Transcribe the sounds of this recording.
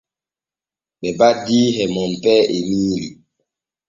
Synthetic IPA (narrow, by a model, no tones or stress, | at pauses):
ɓɛbadiɦɛmɔm̩pɛʔemiːli